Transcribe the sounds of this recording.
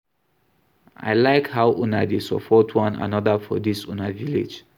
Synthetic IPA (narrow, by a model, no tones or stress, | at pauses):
ʔa̰ɪlaɪkhaʊʔunadesɔ̰pʰɔtʰwɔ̃na̰nɔðəfɔdisunavilḛd͡ʒ